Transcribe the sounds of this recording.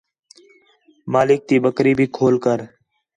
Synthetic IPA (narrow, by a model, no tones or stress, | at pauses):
maːlɪk̚t̪iːbəkɾiːbʱiːkʰoːlkəɾ